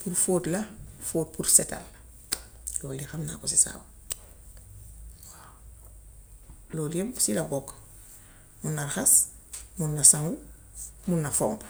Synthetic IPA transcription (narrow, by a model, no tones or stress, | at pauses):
puɾfoːtlafoːt̚puɾseta̰l | loːlixamna̰kosisa̰ːw | wa | loːlemsilaɡok | munːarxasmunːasaŋɡu | munːafo̰mp